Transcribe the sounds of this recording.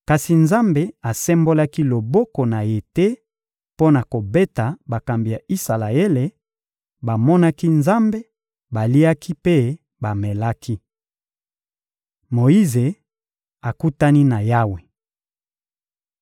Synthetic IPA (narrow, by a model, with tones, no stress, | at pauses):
ka˨si˨nza˦mbe˨a˨sɛ˦mbo˦la˦ki˦lo˨bɔ˦kɔ˨na˨je˨te˦ | po˦na˨ko˨be˦ta˨ba˨ka˨mbi˨ja˨i˦sa˨la˨e˦le˨ | ba˨mɔ˦na˦ki˦nza˦mbe˦ | ba˨li˦a˦ki˦pe˦ | ba˨mɛ˨la˦kʰi˦ | mo˨ji˦ze˨ | a˨ku˦ta˦ni˦na˨ja˦we˨